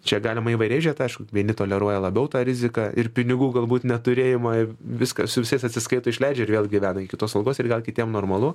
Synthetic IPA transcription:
t͡ʃʲɛɡɑːlʲɪmɐiʋɐɪɾʲɛɪʒʲiɛt̪ɐɪʃkʊʋʲiɛnʲɪt̪oːlʲɛɾuɔjɛlˠɐbʲɛʊt̪ɑːɾʲɪzʲɪkɑɪrpʲɪnʲɪɡuːɡɐlˠbuːt̪nʲɛt̪ʊɾʲeːjɪmɐʋʲɪskɐsʊʋʲɪsɐɪsɐtʲsʲɪskɐɪt̪oːɪʃʲlʲɛɪd͡ʒʲɛɪɾʋʲeːlˠɡʲɪʋʲæːnɐɪkʲɪt̪oːsɐlˠɡoːsɪrɡɐlˠkʲɪt̪ʲiɛmnoːrmɐlˠʊ

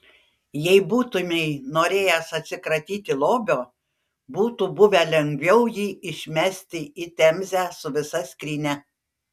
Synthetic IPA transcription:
jɛɪbuːt̪ʊmʲɛɪnoːɾʲeːjɛsɐt̪ʲsʲɪkɾɐt̪ʲiːt̪ʲɪlˠoːbʲoː | buːt̪ubʊʋʲɛlʲɛŋʲɡʲʋʲɛʊjiːɪʃʲmʲæsʲt̪ʲɪit̪ʲɛmʲzʲæːsʊʋʲɪsɐsʲkʲɾʲiːnʲɛ

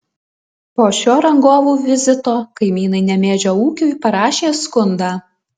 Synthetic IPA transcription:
poːʃʲoːɾɐŋɡoːʋuːʋʲɪzʲɪt̪oːkɐɪmʲiːnɐɪnʲɛmʲeːd͡ʒʲoːuːkʲuːjpɐɾɑːʃʲeːskʊnd̪ɑː

